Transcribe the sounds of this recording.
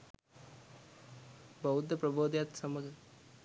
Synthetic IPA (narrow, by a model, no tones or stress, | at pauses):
bɐɦud̪ʱɐpɾɐboːd̪jat̪sɐməɡ